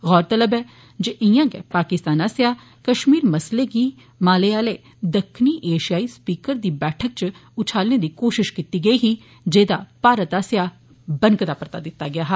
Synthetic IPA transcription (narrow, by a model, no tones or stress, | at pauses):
ɣɔːɾt̪ələbɛː | d͡ʒeʔɪjãːɡɛ̰ːpaːkɪst̪aːnaːsɪjaː | kəʃmiːɾməsleːɡiː | maːleːaːleː | d̪əkʰːniːʔeːʃɪjaːiːspiːkəɾd̪iːbɛːʈʰək̚t͡ʃʊt͡ʃʰaːlneːd̪iːkoːʃɪʃkit̪iːɡəiːɦiː | d͡ʒeːd̪aːpaːɾət̪aːsɪjaː | bəŋkd̪aːpəɾt̪a̰ːd̪ɪt̪ːaːɡɪaːɦɛː